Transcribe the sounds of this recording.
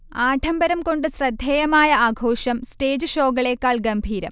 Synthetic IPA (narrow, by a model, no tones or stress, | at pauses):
aːʈʰɐmbɐɾɐmko̞ɳɖɨsrɐd̪ʱjɐjɐmaːjɐaːɡʱo̞ːʂɐmste̞ːd͡ʑɨɕoːɡɐɭeːkːaːɭɡɐmbʱiːɾɐm